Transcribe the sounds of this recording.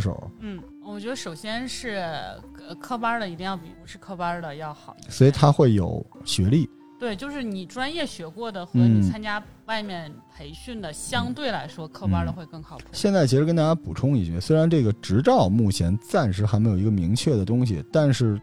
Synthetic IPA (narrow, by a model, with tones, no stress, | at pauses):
ʂo̰˨˩˦n̩˥˩ | wɔ˨˩t͡ɕɥɛ˧˥ə˧ʂo˨˩ʊɕjɛ˥nʂɻ̩˥˩ə˧kʰɤ˥pa˥də˨i˧˥t̪i˥˧jɑ˥˩pḭ˨˩ɻu˧˥ʂɻ̩˥˧kʰɤ˥pa˥də˨jɑ˥˩ʊxɑ˨˩ʊswɔ˧˥i˨˧˩t̪ʰa˥xwe˥˩ɪjo̰˨˩ʊɕɥɛ˧˥li˥˩ | t̪we˥˩ɪt͡ɕjo˥˧ʊʂɻ̩˥˩ni˨˩ʈ͡ʂwa˥njɛ˥˩ɕɥɛ˧˥kwɔ˥˩d̪ə˩xnɤ˧˥ni˨˩t͡sʰa˥nt͡ɕja˥ | wa˥˧ɪmjɛ˥˩npʰe˧˥ɪɕy˥˩nd̪ə˩ɕjɑ˥ŋt̪we˥˩ɪla˧˥ɪʂwɔ˥kʰɤ˥pa˥də˨xwe˥˧ɪkɤ˥˩ŋxɑ˨˩ʊ˧pʰɕjɛ˥˧nt͡sa˥˩ɪt͡ɕʰi˧˥ɻə˥nt̪a˥t͡ɕja˥pu˨˩ʈ͡ʂʰʊ˥ŋi˥˧˩t͡ɕɥɛ̰˥˩swe˥ɪɻa˧˥nʈ͡ʂɤ˥˩ɡə˩ʈ͡ʂɻ̩˧˥ʈ͡ʂɑ˥˧ʊmu˥˩t͡ɕʰjɛ˧˥nt͡sa˥˩nʂɻ̩˧˥xa˧˥me˥jo˨˩i˧˥ɡə˧mi˧˥ŋt͡ɕʰɥɛ˥˩d̪ə˩t̪ʊ˥ŋɕ̬ḭ˨˩t̪a˥˧nʂɻ̩˥˩